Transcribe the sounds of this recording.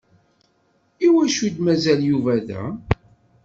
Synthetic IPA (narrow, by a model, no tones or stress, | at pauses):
iwæʃud̪mæzæljuvæðæ̰